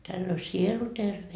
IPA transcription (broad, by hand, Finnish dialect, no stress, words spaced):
tælː o sielu terʋe